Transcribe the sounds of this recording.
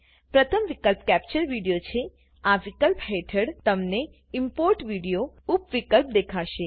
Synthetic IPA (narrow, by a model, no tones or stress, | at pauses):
pɾət̪ʰəmʋikəlpkæp̚t͡ʃəɾʋiɽijot͡ʃʰe | aʋikəlpɦeʈʰəɽt̪əmne | impoɾʈʋiɽijo | upʋikəlp̚d̪ekʰaʃe